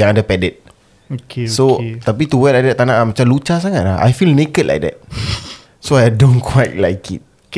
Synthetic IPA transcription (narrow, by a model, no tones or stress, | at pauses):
jãŋadapɛdɛt̪̚ | oksot̪ap̬it̪uwɛlajdɛt̪anaʔmat͡ʃamlut͡ʃas̬aŋat̪̚laha̰jfilnekətlʔa̰jk̚dɛ̰t̚ | soadõnkʰwajt̚lajkʰḭt̚